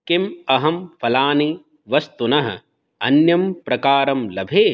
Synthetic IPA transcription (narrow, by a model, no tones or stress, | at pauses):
kɪmɐɦɐmfɐlaːni | ʋɐst̪unɐɦɐ̰̆ | ɐ̰njɐmpɾɐkaːɾɐmlɐbʱeː